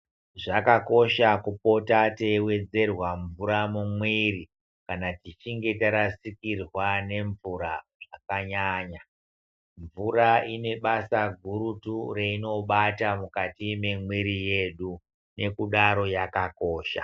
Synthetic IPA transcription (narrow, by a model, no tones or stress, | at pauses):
ʐakako̞ʃakupo̞tatewe̞d͡ze̞rwaɱvuɾamumwiri | kanatit͡ʃiŋɡe̞taɾasikirwane̞ɱvuɾaʐakaɲaɲa | ɱvuraine̞ɓasaɡʱuɾutureino̞ɓatamukatime̞mwiɾije̞ɗu | ne̞kuɗaɾo̞jakako̞ːʃa̰